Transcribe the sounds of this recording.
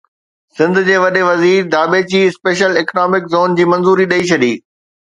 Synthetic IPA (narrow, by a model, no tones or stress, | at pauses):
sɪ̃nd̪ʊ̆d͡ʑeːʋɐɗeʋɐziːɾd̪aːbet͡ɕiːɪspeːʃəlɪːknɔːmɪkzoːnd͡ʑiːmɐ̃nzuːɾiɗɐit͡ɕʰɐɗḭː